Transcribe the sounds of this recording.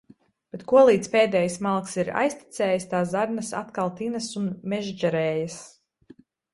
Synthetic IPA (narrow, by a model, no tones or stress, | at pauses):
b̥et̪kuɔlˠiːt̪speːd̪ɛːjasmalˠksiɾa̰jsʲt̪i̥t̪sɛːjst̪aːzaɾnɐsa̰t̪kalˠt̪inɐsunmɛʒd͡ʒɛɾɛːjəs